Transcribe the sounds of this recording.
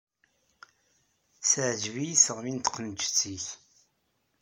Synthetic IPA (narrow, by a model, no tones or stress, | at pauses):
sʕd͡ʒvijisəʁmint̪qənt͡ʃːt͡sːiç